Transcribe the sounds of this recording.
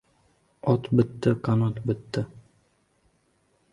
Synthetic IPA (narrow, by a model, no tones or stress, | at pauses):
ɒt̪bɪt̪ːɪqʰanɒt̪bɪt̪ːɪ